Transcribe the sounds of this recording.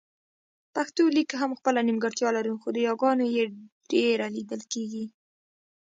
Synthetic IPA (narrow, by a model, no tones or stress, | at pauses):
paxt̪olikɦamxpəlanimɡəɾt̪jɑlaɾuxod̪əjɑɡɑnojeɖeɾalid̪əlkeɡi